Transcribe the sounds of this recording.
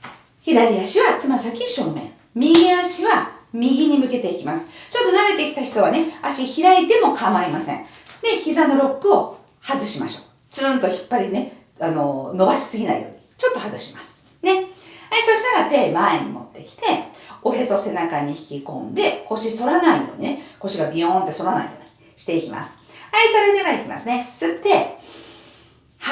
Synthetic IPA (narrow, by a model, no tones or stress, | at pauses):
çid̪aɾʲiaɕiβat͡sɨmasakʲiɕoːmmẽ̞̰ŋ | mʲiɡʲiaɕiβamʲiɡʲiɲ̟imɯ̟ke̞t̪e̞ikʲimasɨ̥t͡ɕo̞t̪ːo̞naɾe̞t̪e̞kʲi̥t̪açi̥t̪o̞βane̞aɕiçiɾait̪e̞mo̞kʰamaɾimasẽ̞̰ŋd̪e̞çizano̞ɾo̞kːɯ̟o̞ | hazɨɕima̰ɕo̞ː | d͡z̥ɨːnt̪o̞çi̥pːaɾʲine̞ | ano̞no̞baɕi̥sɨɡʲinaḭjo̞̰ːɲ̟it͡ɕo̞t̪ːo̞hazɨɕi̥masɨ̥ | ne̞asoɕinaɡat̪e̞ːmaeɲ̟ḭmo̞̰t̪ːe̞kʲi̥t̪e̞o̞ɦezo̞se̞nakaɲ̟içi̥kʲikõ̞̰nd̪e̞ko̞ɕiso̞ɾanaijo̞ːɲ̟ineko̞ɕiɡabʲiõnt̪e̞so̞ɾana̰ḭjo̞ːɲ̟i | ɕi̥t̪e̞ikʲima̰sɨ̥aisoɾeneɡad̪eikʲima̰sɨne̞sɨt̪ːe̞ | h